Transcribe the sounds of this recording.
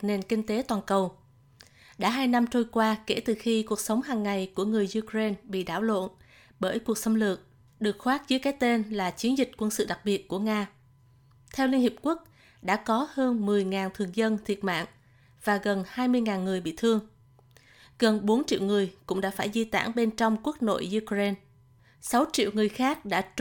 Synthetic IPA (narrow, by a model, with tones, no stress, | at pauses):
ne˨˩nkï˧ŋ̟t̪e˨˦t̪waː˨˩nkə˨˩w | ɗa̰ː˧˥ɦaː˧jna˧mt͡ɕo˧jkwaː˧ke˧˩t̪ɨ˨˩xi˧ku˨˩ək̚sə˨˦wŋ͡mɦaː˨˩ŋːa˨˩jku˧˩əŋɨ˨˩əjzu˧kɹe˧nɓḭ˧˨ɗaː˧˩wlo̰˧˨n | ɓəː˧˩jku˨˩ək̚sə˨˦wŋ͡mlɨ̰˧˨əŋ̚ | ɗɨ˨˩ək̚xwaː˦˥t̚zə˨˦jkaː˨˦jt̪e˧nlaː˨˩t͡ɕi˨˦nzï˨˩k̟̚kwə˧nsɨ̰˧˨ɗa˨˩k̚ɓi˨˩ət̚ku˧˩əŋaː˧ | t̪ʰɛ˧wli˧ənhi˨˩p̚ku˦˥ək̚ | ɗa̰ː˧˥kɔ˨˦həː˧nmɨ˨˩əjŋaː˨˩nt̪ʰɨ˨˩əŋzə˧nt̪ʰi˨˩ət̚ma̰ː˧˨ŋ | v̥aː˨˩ɣə˨˩nhaː˧jmɨ˧əjŋaː˨˩nŋɨ˨˩əjɓḭ˧˨t̪ʰɨ˧əŋ | ɣə˨˩nɓo˨˦nt͡ɕḭ˧˨wŋɨ˨˩əjkʊ̰˧˥ŋ͡mɗa̰ː˧˥faː˧˩jzi˧t̪a̰ː˧˩ŋɓe˧nt͡ɕɔ˧wŋ͡mku˦˥ək̚no̰˧˨jʔu˧kze˧n | sa˨˦wt͡ɕḭ˧˨əwŋɨ˨˩əjxaː˦˥k̚ɗa̰ː˧˥